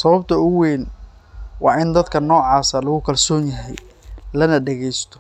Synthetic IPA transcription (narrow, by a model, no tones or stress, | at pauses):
sɐβɐbt̪ʰɐʊweːn | wɑːʔɪnd̪ɐd̪kʰɐnɔːʕɑːsɐlɐɣʊkʰɐlsɔːnjɐɦɛjlɐnɐɖɐɣɛjst̪ʰɔ̥